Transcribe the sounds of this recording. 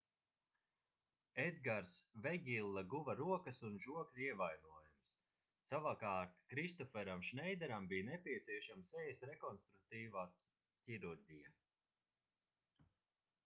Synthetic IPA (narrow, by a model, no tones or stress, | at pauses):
ed̪ɡaɾsvɛɡʲilˠːaɡuvaɾuɔkəsunʒuɔklʲiɛvajnuɔjumsː | avakaːɾt̪kɾist̪ɔfɛɾamʃnɛjd̪ɛɾambijnɛpʲiɛt̪siɛʃamsɛjsɾɛkɔnst̪ɾuk̚t̪iːvaː | cʲiɾuɾɡija